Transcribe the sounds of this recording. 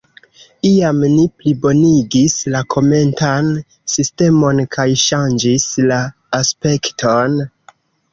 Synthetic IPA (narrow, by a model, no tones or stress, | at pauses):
iamniplibo̞niɡislakʰo̞me̞ntan | siste̞mo̞nkʰajʃand͡ʒislaː | spe̞ktʰo̞n